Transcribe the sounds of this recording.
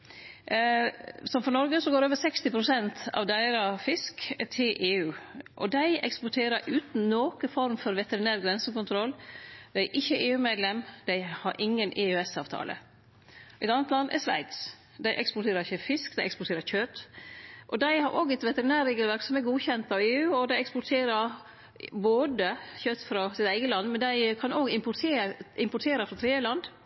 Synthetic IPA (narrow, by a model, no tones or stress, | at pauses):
sɔmfɔnɔɾɡəsɔɡoːɾoːʋəɾsɛkst̪ɪpʰɾʊsɛnt̪ʰɑ̰ʋd̪æɪɾɑfɪskt̪ʰɪlʔeːʉːʔɔd̪æɪɛkspʊʈʰeːɾəɾʔʉːt̪n̩noːkəfɔɾmfɔɾʋɛt̪əɾɪnæːɾɡɾɛnsəkʊnt̪ʰɾɔlːd̪æɪæɾʔɪçːəʔeːʉːmeːd̪lɛmd̪æɪhɑɾʔɪŋːənʔeːʉɛsɑːʋt̪ʰɑ̰ːlʔə̰ | ʔɛt̪ɑnət̪lɑnd̪ʔæ̰ʂʋæ̰ɪt̪s | d̪æɪʔɛ̰kspɔʈʰeːɾəɾɪçːəfɪskd̪æɪɛkspɔʈʰeːɾəçøːt̪ʔɔd̪æɪhɑɾʔoːɡɛt̪ʋɛt̪əɾɪnæːɾeːɡəlʋæɾksɔmæɾɡuːçɛnt̪ɑʋeːʉːɔd̪æɪɛkspɔʈʰeːɾəɾ | boːd̪əçøːt̪fɾɑsɪt̪æɪɡəlɑnːmɛnd̪æɪkʰɑnoːɡɪmpʊeʔɪmpʊʈʰeːɾəfɾɑt̪ʰɾeːd̪jəlɑnd̪